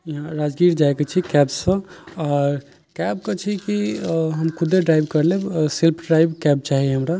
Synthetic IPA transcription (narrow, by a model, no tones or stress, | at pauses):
jiɦãɾad͡ʒɡiɾd͡ʒajket͡ʃʰikɛbsːə̃aɾ | kɛb̚kət͡ʃʰikiɦəmkʰud̪eɖɾajbkəɾlebsilpʰɖɾajbkɛb̚t͡ʃaɦieɦəmɾa